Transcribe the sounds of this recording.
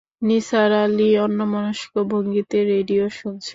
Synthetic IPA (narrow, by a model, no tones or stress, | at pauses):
nisaɾaliɔnːomɔnoʃi̥kobʱoŋɡit̪eɾeɖioʃunt͡ɕʰe